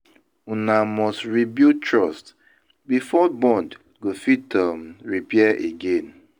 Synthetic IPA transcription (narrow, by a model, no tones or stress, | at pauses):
unamɔstɹibitɹɔst | bifɔbɔ̃nd | ɡofitamɹipɛɛʔeɡẽn